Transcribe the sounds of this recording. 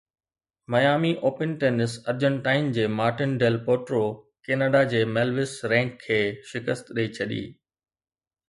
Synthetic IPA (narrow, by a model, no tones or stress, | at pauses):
mɐjaːmiʔoːpɪnʈeːnɪsɐɾd͡ʑə̃ɳʈaːɪnd͡ʑeːmaːɾʈɪnɖeːlpoːʈɾo | keːnəɖad͡ʑeːmɛːlʋɪsɾɛ̃ːŋkʰːeːʃɪkəst̪ɗɐit͡ɕʰɐɗḭː